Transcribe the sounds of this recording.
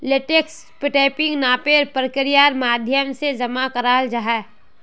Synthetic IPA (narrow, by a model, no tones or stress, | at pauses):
lɪʈeks | pɪʈeːpɪ̃ŋɡnaːpeɾpɾəkəɾijaːɾmaːd̪ʱjəmsed͡ʒɐmakɐɾaːld͡ʒaɦɛː